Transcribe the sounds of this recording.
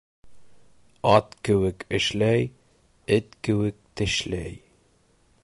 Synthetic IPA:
ɑt̪kɘ̆wɘkɘ̆ʃlæj | ɘt̪kɘ̆wɘk̚t̪ɘ̆ʃlæj

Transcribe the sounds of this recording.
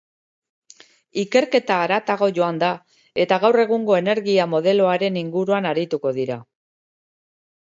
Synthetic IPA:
ike̞ɾke̞t̪aːɾat̪aɣ̞o̞ʝo̞and̪a | e̞t̪aɣawre̞ɣuŋɡo̞e̞ne̞ɾɣiamo̞ð̞e̞lo̞aɾe̞niŋɡuɾuanaɾit̪uko̞ðiɾa

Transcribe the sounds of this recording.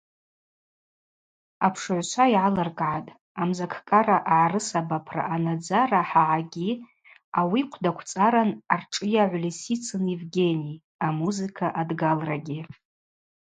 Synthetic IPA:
apʰʂʕʷʃʷʰaiʕalarkʼʕatʼ | amzakʰkʼaɾaʔaʕarɨsabapʰra̰ʔanad͡zaraħaʕaɡʲi | awiqʷʰdakʷʰt͡sʼaɾanarʈ͡ʂʼɨjaʕʷlisit͡sʰɨnevɡʲe̞nij | amuzɨkʰaʔadɡalraɡʲi

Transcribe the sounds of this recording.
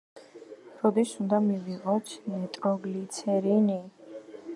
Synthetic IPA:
ɾɔd̪isund̪amiviʁɔt̪ʰnɛt̪ʼɾɔɡlit̪sʰɛɾini

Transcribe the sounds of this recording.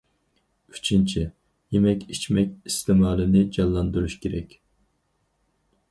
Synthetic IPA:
y̥t͡ʃʰint͡ʃʰi | jemɛkʲit͡ʃmɛkʲist̪ʰɪmɑːlˠɪnɪd͡ʒɑnˠlˠɑnd̪uɾuʃkʲʰeɾɛkʲ

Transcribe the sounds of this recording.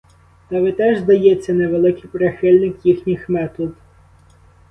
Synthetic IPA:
t̪ɐʋɪt̪ɛʒzd̪ɐjet͡sʲːɐneʋelˠɪkɪjpɾexɪlʲnɪkjixnʲixmɛt̪ɔd̪

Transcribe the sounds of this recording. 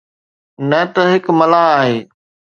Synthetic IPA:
nɐt̪ɐɦɪkmɐlaaːɦeː

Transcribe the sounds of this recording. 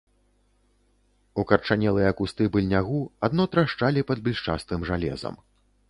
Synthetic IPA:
ukɐrt͡ʂanʲɛlˠɨjɛɐkust̪ɨbɨlʲnʲaɣuad̪nɔt̪ɾaʂt͡ʂalʲipɐd̪bʲilʲʂt͡ʂa̰st̪ɨmʐalʲɛ̰zɐ̰m

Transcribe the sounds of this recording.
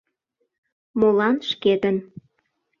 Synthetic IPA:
molɑnʃked̪ən

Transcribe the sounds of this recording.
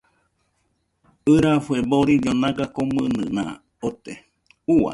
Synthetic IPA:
ɨɾafueboɾiɲonãɡakomɨnɨ̰nã̰ | ot̪e | ua̰

